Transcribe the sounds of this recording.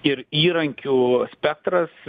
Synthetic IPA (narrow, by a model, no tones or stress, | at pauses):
ɪɾiːɾɐŋʲkʲuːsʲpʲɛk̚t̪ɾɐs